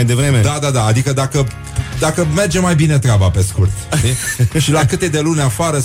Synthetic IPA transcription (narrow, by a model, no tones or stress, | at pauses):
ajd̪e̞vɾe̞me̞d̪ad̪ad̪aːd̪ikəd̪akə | d̪akəme̞rd͡ʒe̞mːajbine̞t̪ɾeabape̞skurt̪t̪iʃilakɨt̪ed̪e̞lunʲafaɾə